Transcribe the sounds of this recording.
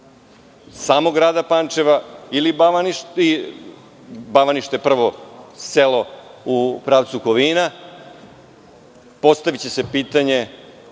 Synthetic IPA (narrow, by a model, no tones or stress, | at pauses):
saːmoɡɾaːd̪apant͡ʃe̞ʋailibaʋaniʃi | baʋaniʃt̪eepr̩ʋo̞selo̞upɾaːʋt̪sukoʋina | po̞st̪aʋit͡ɕe̞sepiːt̪aɲe̞